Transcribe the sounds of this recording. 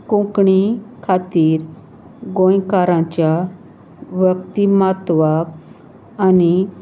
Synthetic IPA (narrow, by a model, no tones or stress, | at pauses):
kũkɳikʰat̪iːɾ | ɡõjkaɾãt͡ɕja | ʋjəkt̪imat̪ʋab | ani